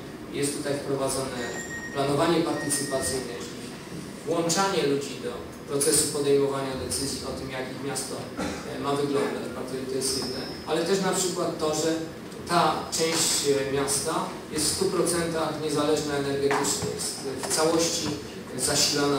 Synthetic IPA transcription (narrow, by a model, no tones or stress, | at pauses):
jɛst̪ːut̪ajfpɾɔvad̪zɔnɛplanɔvaɲɛpaɾt̪ɘt̪sɘpat̪sɘjnɛʐʲi | vwɔnt͡ʂaɲɛlud͡ʑid̪ɔ | pɾɔt̪sɛsupɔd̪ɛjmɔvaɲad̪ɛt̪sɘzʲjiɔt̪ɘmjakʲixmʲjast̪ɔmavɘɡlɔnd̪ad͡ʑbat̪ɔɛt̪ɔjɛst̪id̪nɛ | alɛt̪ɛʂnapʂɘkwat̪ːɔʐɛ | t̪at͡ʂɛ̃w̃ɕt͡ɕmʲjast̪a | jɛst̪fst̪upɾɔt̪sɛnt̪axɲɛzalɛʐnaɛnɛɾɡɛt̪ɘt͡ʂnajɛst̪ft̪sawɔɕt͡ɕi | zaɕilana